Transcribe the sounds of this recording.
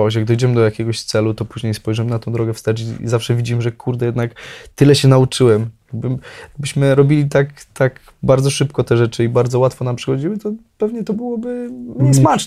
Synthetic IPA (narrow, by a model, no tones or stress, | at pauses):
ɕ̬jaɡ̚d̪ɔjd͡ʑɛmɘd̪ɔjakʲɛɡɔɕt̪sɛlut̪ɔpuʑɲejspɔjʐɛmɘnat̪ɔ̃d̪ɾɔɡɛfst̪aɾt͡ɕiḭzafʂɛvʲid͡ʑimʐɛkʰuɾd̪ɛjɛd̪nakt̪ɘlɛɕɛnaut͡ʂɘwɛmjaɡbɘmjaɡ̚bɘɕmɘɾɔbʲilʲit̪akt̪ak | baɾd̪zɔʂɘpkɔt̪ɛʐɛt͡ʂɘibaɾd̪zɔwat̪fɔnampʂɨxɔd͡ʑiwɘt̪ɔpɛvɲɛt̪ɔbɘwɔbɘɲɛsmat͡ʂ